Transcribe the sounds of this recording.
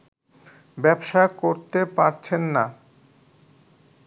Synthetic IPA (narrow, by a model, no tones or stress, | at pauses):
bɛbʃakoɾt̪epaɾt͡ɕʰenːa